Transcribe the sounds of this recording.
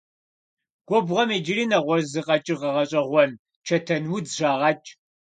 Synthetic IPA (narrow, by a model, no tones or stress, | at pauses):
ɡ̥ʷɔbʁɐmeːd͡ʒɪriːnɐʁʷɔzɨqʼɐt͡ʃʼɪʁɐʁɐɕʼɐʁʷɔn | t͡ʃʰɐtʰɐnwidʒaːʁɐt͡ʃʼ